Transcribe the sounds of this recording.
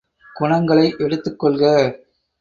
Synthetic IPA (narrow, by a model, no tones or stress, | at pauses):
ɡ̥ʊɳɐŋɡɐɭɐɪʔɛɽɯt̪ːɯkːɔɭɣɐ